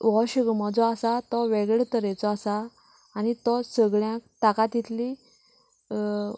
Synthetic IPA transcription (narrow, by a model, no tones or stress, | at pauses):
ʋɔɕəɡmɔt͡sɔasat̪ɔʋeɡɭɛt̪əɾɛt͡sɔasaː | ñit̪ɔsəɡɭjãk̚ʈ̪akat̪it̪li